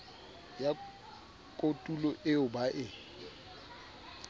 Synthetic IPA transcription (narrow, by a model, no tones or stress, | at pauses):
ja | kʼotʼulɔʔɪʊbaʔɪ